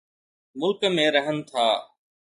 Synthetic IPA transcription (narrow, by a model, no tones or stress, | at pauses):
mʊlkmẽːɾəɦənt̪ʰaː